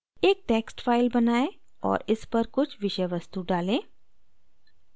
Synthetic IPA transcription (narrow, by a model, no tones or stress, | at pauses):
eːk̚ʈeːksʈfʰaːɪlbɐnaːẽ | ɔ̰ːɾɪspɐɾkʊt͡ʃʰʋɪʃəʋɐst̪uɖaːlẽː